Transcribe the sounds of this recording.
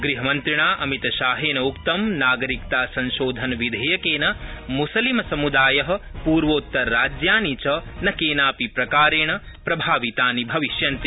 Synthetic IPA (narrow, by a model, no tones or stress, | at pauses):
ɡɾiɦɐmɐnt̪ɾiɳaːʔɐmit̪ɐʃaːɦeːnɐukt̪ɐmnaːɡɐɾik̚t̪aːsɐ̃nʃoːd̪ʱɐnɐʋid̪ʱɐjɐkeːnɐmusɐlimɐsɐmud̪aːjɐɦɐ̆puːɾʋoːt̪ːɐɾːaːd͡ʒjaːnit͡ʃɐnɐkeːnaːpipɾɐkaːɾeːɳɐ | pɾɐbʱaːʋit̪aːnibʱɐʋiʃjɐnt̪i